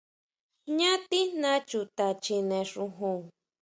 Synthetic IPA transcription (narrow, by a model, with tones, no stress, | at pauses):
ɲa˦t̪i˦nã˦t͡ʃu˨t̪a˨t͡ʃi˧nẽ˨ʂu˧ɦu˧˨ŋ